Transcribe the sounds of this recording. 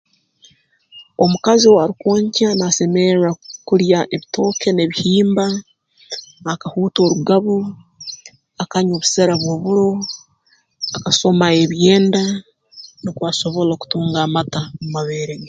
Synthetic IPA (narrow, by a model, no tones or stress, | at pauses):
o̞mukaziowaɾikwoːɲcanase̞meɾakuɾjaʔeβito̞ːke̞ne̞βihiːmba | kahuːto̞ːɾuɡaβo | akaɲoβu̥seɾaβwo̞βuɾo̞ | akaso̞maeβje̞ːnda | nikwaso̞βo̞loku̥tuːŋɡaːmatamumaβeːɾeɡe